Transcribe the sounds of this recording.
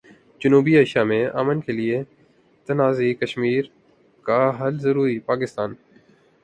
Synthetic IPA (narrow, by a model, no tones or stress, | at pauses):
d͡ʒənuːbieːʃamẽʔa̰ːmənkʰeːlie | t̪ɐnaːziːkəʃmiːɾ | kaɦɐlzəɾuːɾipaːkɪst̪aːn